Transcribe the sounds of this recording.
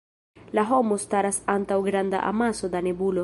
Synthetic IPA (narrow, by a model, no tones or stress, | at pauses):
laɦo̞mostaɾasantawɡɾanda̰ʔa̰maso̞d̪anebulo